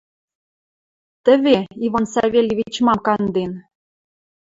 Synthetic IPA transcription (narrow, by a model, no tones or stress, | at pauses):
t̪ə̆βʲeiβɑnsɑβʲelʲevʲit͡ɕmɑmkɑnd̪en